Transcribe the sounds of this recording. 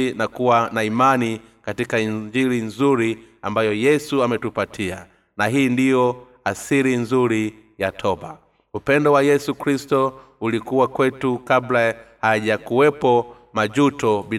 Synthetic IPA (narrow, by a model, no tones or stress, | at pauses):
nakuwanaimani | katikaiɲd͡ʒiɾinzuɾiambajɔjɛsuamɛtupatʰia | naɦiːndijɔ | asiɾinzuɾi | jatʰɔba̰ | upɛndɔwajɛsukɾistɔ | ulikuwakwɛtukablahaʄakuwɛpɔ | mad͡ʒutɔɓi